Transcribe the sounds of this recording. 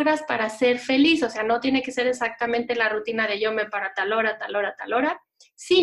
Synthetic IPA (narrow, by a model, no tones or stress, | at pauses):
ɣɾaspaɾase̞ɾfe̞liso̞se̞ano̞t̪je̞ne̞ke̞se̞ɾe̞sak̚t̪amẽnt̪e̞larut̪inaðe̞ʝo̞mepaɾat̪alo̞ɾat̪alo̞ɾat̪alo̞ɾa | si